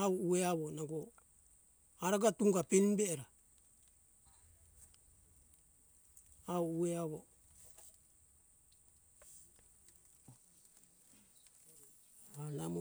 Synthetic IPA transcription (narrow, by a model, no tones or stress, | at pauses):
auueaβonaɡo | aɾaɡatuŋɡapenbeːɾa | auueaβo | alam